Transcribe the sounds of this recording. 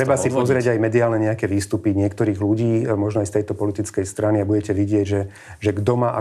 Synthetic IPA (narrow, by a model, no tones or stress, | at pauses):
ɾɛbasipɔzɾɪɛɟajmɛd̪iaːlnɛɲɛakɛʋiːst̪upiɲɪɛkt̪ɔɾiːɣluɟiːmɔʒnɔajst̪ɛjt̪ɔpɔlit̪it͡skɛjst̪ɾaniabuɟɛcɛʋiɟɪɛɟʒɛ | ʒɛɡd̪ɔmaːʔa